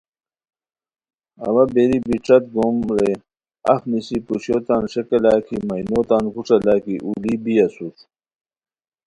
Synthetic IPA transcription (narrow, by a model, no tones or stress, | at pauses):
ɐ̰wɐbeɾibiʈ͡ʂɐt̪̚ɡomɾe | ɐ̰fmisipuɕjoːt̪aːnʂekɐlaːkʰimɐjnot̪aːnkuʈ͡ʂɐlaːkiʔulibiɐsut̪